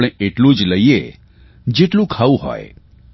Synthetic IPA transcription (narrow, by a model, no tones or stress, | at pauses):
ɽ̃ẽʔeʈlũd͡ʒləie | d͡ʒeʈlũkʰaʋũɦɔ̰e